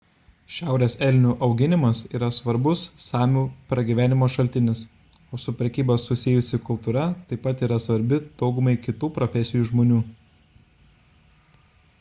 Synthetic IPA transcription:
ʃʲæˑʊɾʲeːsɛlʲnʲuːʔɒʊɡʲɪnʲɪmɐsiːɾɐsʋɐɾbʊsːɑːmʲuːpɾɐɡʲiːʋʲæːnʲɪmoːʃɐlʲt̪ʲɪnʲɪs | oːsʊpʲɾʲɛkʲiːboːsʊsʲɪjʊsʲɪkʊlˠt̪uːɾɐt̪ɐɪpɐt̪iːɾɐsʋɐɾʲbʲɪd̪̥ɒʊɡʊmɐɪkʲɪt̪uːpɾɔfʲɛsʲɪjuːʒmoːnʲuː

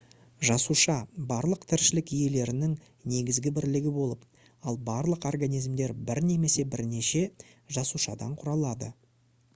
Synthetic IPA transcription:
ʒɑsuʃɑbɑɾlˠəqt̪ʰɪɾʃɪlɪkije̞le̞ɾɪnɪŋ | ne̞ɡʲɪzɡʲɪbɪɾlɪɡʲɪbo̞lˠəp | ɑlˠbɑɾlˠəqo̞rɡanijzmd̪e̞ɾbɪɾne̞me̞se̞bɪɾne̞ʃe̞ | ʒɑsuʃɑd̪ɑ̰ɴqʰʊɾɑlˠɑd̪ə

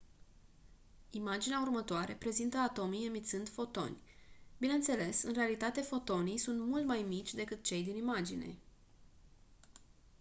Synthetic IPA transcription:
imad͡ʒineaurmət̪oaɾe̞pɾe̞zint̪əat̪o̞mijemit̪sɨnd̪fo̞t̪o̞̰nʲbineɨnt̪se̞le̞sɨnre̞alit̪at̪e̞fo̞t̪o̞nijsunt̪mult̪majmit͡ʃʲd̪e̞kɨt̪̚t͡ʃe̞jd̪inimad͡ʒḭne̞̰

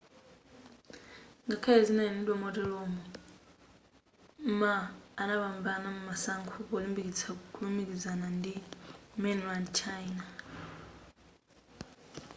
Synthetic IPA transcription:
ŋɡakʰalɛzinainidwɔmɔtɛlɔmɔ | maːnaβambanamumasaŋkʰuβɔlimbikit͡sʰaukʰulimikizanandimɛnlandt͡ʃʰaina

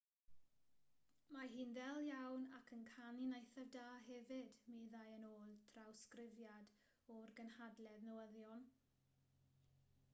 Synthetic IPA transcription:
maɦɨːnðɛlˠjawnakʰənkʰaninejθɛvdaːɦɛvɪdmiðajənoːlˠtʰrawskrɪvjad | ɔrɡənhadlɛðnəwəðjɔn

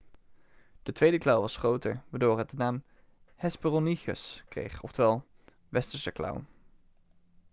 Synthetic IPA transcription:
d̥ətʋejdəklʌwʋɑsχrowtəɹʋaːdʊːɹɦət̚dənaːm | hɛsbərɔniχə̰skrḛjχɔftəʋɛlˠ | ʋɛstəɹsəklɑ̰w

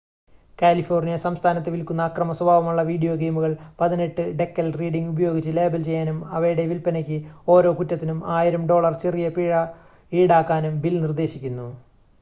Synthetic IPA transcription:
kʲaːlifo̞ːrnijɐsɐmst̪ʰaːnɐt̪ːeʋilkunːɐːkrɐmɐswɐbʱaːʋɐmuɭːɐʋiːɽijo̞ːɡe̞ːmuɣɐɭpɐðine̞ʈːɨɖe̞kːɐlriːɽiŋɡubɐjo̞ːɡit͡ɕːɨle̞ːbɐlt͡ɕe̞jːaːnumɐʋɐjuɽe̞ʋilpɐnɐk̬ʲːɨo̞ːɾo̞ːkutːɐt̪ːinumaːjiɾɐmɖo̞ːɭɐrt͡ɕerijɐpiːɻɐ | iːɽaːkːaːnumbilnird̪e̞ːɕikʲːunːu

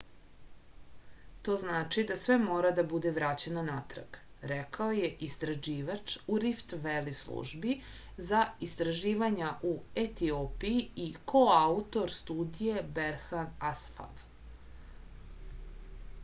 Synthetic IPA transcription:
t̪o̞ːznaːt͡ʃid̪asʋemo̞ːɾad̪abud̪eʋɾat͡ɕe̞nonat̪ɾɡ | ɾɛkaoje̞ʔist̪ɾaʒiːʋat͡ʂuɾift̪ʋelislˠṵʒbi | zaist̪ɾaʒiːʋaɲaʔuet̪ioːpijiiko̞aut̪o̞ɾst̪uːd̪ije̞beɾxanasfa̰v

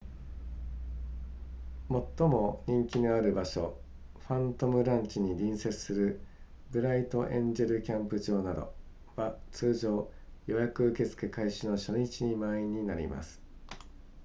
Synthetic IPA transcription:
mo̞t̪ːo̞mo̞ɲ̟ĩŋkʲinoaɾɯ̟baɕo̞ | ɸãnt̪o̞mɯ̟ɾãɲ̟t͡ɕiɲ̟iɾʲĩɰ̃se̞t͡sɨ̥sɨɾɯ̟ | ɡɯ̟ɾait̪o̞ʔẽ̞ɲd͡ʑe̞ɾɯ̟kʲãmpɯ̟ʑo̞ːnad̪o̞̰ | βat͡sɨːʑo̞ː | jo̞jakɯ̟ɯke̞t͡sɨ̥ke̞kaiɕɨno̞ɕo̞ɲ̟it͡ɕiɲ̟imaiɲ̟inaɾʲḭma̰sɨ̥

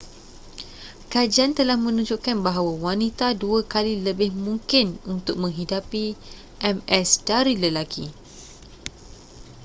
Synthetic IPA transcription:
kad͡ʒiant̪əlahmə̃nũd͡ʒuʔkanbaɦawawanit̪aduakaliləbɪhmũŋkɪnunt̪ʊk̚mə̃ŋɦidapi | ʔɛmɛsdaɾiləlakʰi

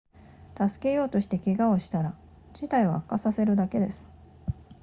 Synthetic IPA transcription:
t̪asɨ̥ke̞jo̞ːt̪o̞ɕi̥t̪e̞kʲeɡao̞ɕi̥t̪aɾa | d͡ʑit̪aiβ̞a̰ːkːasase̞ɾɯ̟d̪ake̞d̪e̞sɨ̥

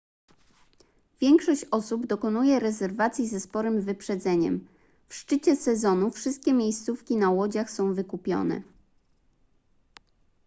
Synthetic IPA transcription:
vʲjɛŋkʂɔɕt͡ɕɔsubd̪ɔkɔnujɛɾɛzɛɾvat̪sʲjizɛspɔɾɘmvɘpʂɛd̪zɛɲɛ̰m | fʂt͡ʂɘt͡ɕɛsɛzɔnufʂɘst̪̚kʲɛmʲjejst̪sufkʲinawɔd͡ʑaxsɔ̃w̃vɘkupʲjɔ̰nɛ̰

